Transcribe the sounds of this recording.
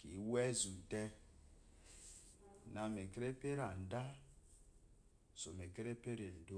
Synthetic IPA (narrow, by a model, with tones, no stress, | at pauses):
kḭ˨˦we˦zu˨te˦˨ | na˨me˨ke˦ɾe˦pe˦ɾa˨n̩˨da˦ | so˨me˨ke˦ɾe˦pe˦ɾe˨n̩˨do˦